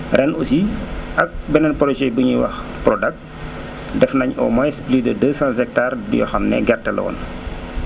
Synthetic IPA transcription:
rʔɛnusiɐk̚bɛnɛnpɔɾɔt͡ʃɛbuɲiwɐ̰xprɔdɐk̚ | dɛfnɐɲɔ̰mɔjsplidədəːsãnsɛk̚taːrdḭjɔ̰xɐmnɛ̰ɡɛrtɛlɔ̰ːn

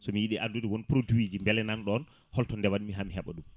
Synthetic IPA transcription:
sɔmijiɗiʔadudɛwɔnpɾoduwid͡ʒimbɛlɛnanɗɔn | hɔltɔndɛwaɗimiɦamiɦɛɓɔ̰ɗum

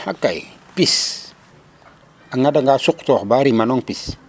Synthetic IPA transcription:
ha̰kːaj | pis | aŋadaŋɡasuktɔxbaɾimanɔŋpis

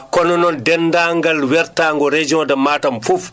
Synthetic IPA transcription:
kɔnɔnɔndɛndaŋɡalwɛɾtaŋɡɔɾed͡ʒiɔ̃damaːtamfuf

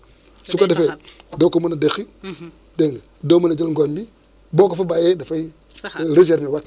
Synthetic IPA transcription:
sukadefedokomanadexi | den | domanad͡ʒolŋɡondi | bokafabajedafai | ɾiʃ̬eɾniwak

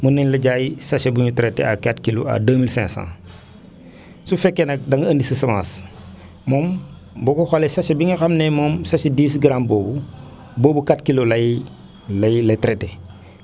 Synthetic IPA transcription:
munːɐɲlɐɟaːjisaʃebuɲutɾetḛakatkilo̰a̰dəːmilsɛ̰̃ŋsã̰ | sufekːenɐk̚dɐŋɡɐɐndisisɐmã̰ːs | mom | bokoxolesaʃebiŋɐxamnemomsaʃediːsɡɾamboːbu | boːbukatkilolɐ | lɐjlɐtɾete

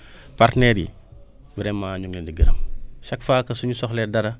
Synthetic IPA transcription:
paɾtnɛɾḭ | bɾɛmːaːɲuŋlɛndiɡiɾɐ̰mʃɐkfaːkɐsuɲusɔxlɛdɐɾɐ

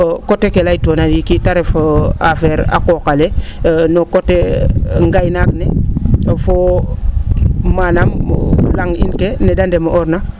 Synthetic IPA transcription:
kotekelaitonadikitaɾefafeɾa̰kokalenokoteŋɡajnakne | fo | manamlaŋḭnkenedandemoʔoɾna

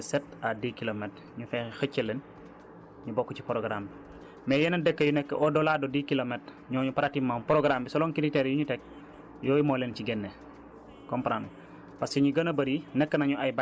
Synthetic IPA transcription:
sɛtadiːkilomɛt | ɲufɛxəcːəlen | ɲubokːuci̥pɾoɡɾam | mɛːjɛnɐndɛkːəjunɛkːəʔɔdɔladodikilomɛt | ɲɔːɲupaɾatimːaːmpɾoɡɾambisɔlɔŋkiliteɾjuɲutɛk̚ | jɔːjimɔːlenciɡɛnːe | kɔmpɾan | paskɛɲuɡɐnɐbɐɾinɛkːənaɲuʔajba

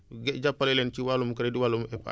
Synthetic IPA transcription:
ɡɛɟapːalɛlɛnt͡ʃiwalumukɐɾɛdiwalumɛp

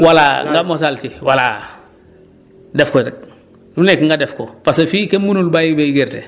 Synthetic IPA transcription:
walaŋɡamos̬altiwala | defkotek̚ | dunekŋɡadefkopasefikemunulbajibejɡeɾte

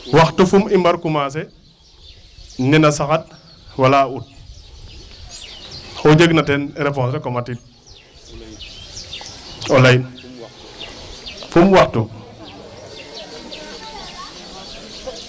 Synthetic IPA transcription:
waxtufumimbɐɾkumas̬ɛ | nɛnɐsaxat̚ | walaut̚ | xɔd͡ʒəɡnatɛnɾɛfɔnsɾɛkɔmatit̚ | ɔlɐjn | fumwaxtu

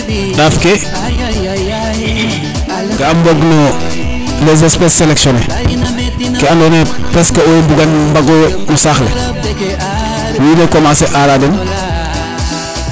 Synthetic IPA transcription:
ɗaːfke | ɡaamboɡno | lezespesːeleksonḛ | keandone | pɾeskaobuɡanmbaɡomusaːxlḛ | winekomaseʔaɾaden

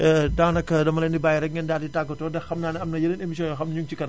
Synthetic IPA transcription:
ɛdaːnɐkːɐdɐmɐlɛndibaːjɛɾɛk̚ŋɡɛndaːditaɡːɐtɔːdɛxxɐmnaːnɛɐmnɐjɐlenemis̬iɔnɔxɐmɲuŋt͡ʃikɐn

